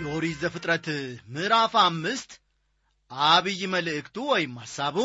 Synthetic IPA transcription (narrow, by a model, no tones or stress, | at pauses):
jɛoɾizəfɨt̪ʼɾət̪mɨɾafamːɨst̪ | ʔaβɨjməlɨʔɨkt̪ʰuwɔjɪmːasːaβu